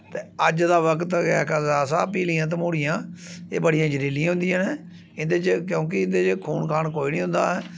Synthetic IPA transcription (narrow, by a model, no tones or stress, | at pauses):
t̪eːəd͡ʒd̪aːʋəkt̪ɛːkazaːsaːpiːliːãːt̪̬əmuːɽɪjãːeːbəɽijãːd͡ʒəɾiːlijãːɦʊ̃nd̪ijãːneː | ɪnd̪eːt͡ʃkjõːk̬ɪɪnd̪eːt͡ʃkʰuːnkʰaːnkoːiːniːɦʊ̃nd̪a̰ːɦɛː